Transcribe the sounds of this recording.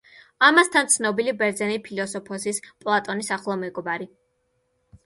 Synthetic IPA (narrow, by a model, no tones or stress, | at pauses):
amast̪ʰant̪sʰnɔbilibɛɾd̪zɛnipʰilɔsɔpʰɔsispʼlˠat̪ʼɔnisaχlˠɔmɛɡɔbaɾi